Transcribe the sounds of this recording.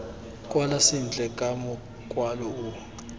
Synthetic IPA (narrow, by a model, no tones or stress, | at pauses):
kʼwalasind͡ɮʱʼɛkʼamɔ | kʼwalɔu